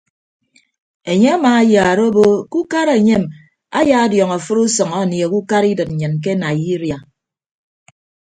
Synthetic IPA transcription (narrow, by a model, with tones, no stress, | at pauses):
e˨ɲe˦a˦maː˨a˦ja˨ɾo˦bo˦ku˦ka˦ɾe˨ɲe˦m | a˦ja˦djɔ˨ŋa˨fɨ˦ɾu˦sɔ˨ŋa˦˨ni˨e˨ku˦ka˦ɾi˦dɨ˨t̚n̩˨ɲɨ˨nk̬e˦na˨ji˦ɾja˨